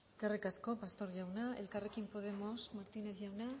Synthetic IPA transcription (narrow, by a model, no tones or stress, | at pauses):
karekasko̞past̪o̞ɾʝawnae̞̰lkare̞kimpo̞ð̞e̞mo̞smaɾt̪ineθʝawna